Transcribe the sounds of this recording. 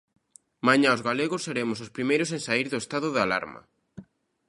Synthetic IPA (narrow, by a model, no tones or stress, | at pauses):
maɲãozɣaleɣosːeɾemʊsospɾimejɾʊs̬ẽnsaiɾðʊest̪aðʊðala̰ɾmɐ̰